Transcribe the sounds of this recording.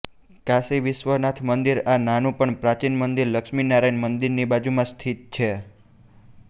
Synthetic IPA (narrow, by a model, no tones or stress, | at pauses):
kasiʋɪʃʋənat̪ʰmənd̪iɾananũpəɳpɾat͡ʃinmənd̪iɾləkʃminaɾajnmənd̪iɾnibad͡ʒumãst̪ʰit̪̚t͡ʃʰe